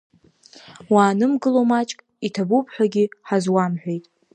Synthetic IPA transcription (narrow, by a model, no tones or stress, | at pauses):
waːnɨmɡɨlomat͡ʃʼkʼ | itʰabupʰʼħʷᶣaɡʲiħazwamħʷᶣejtʼ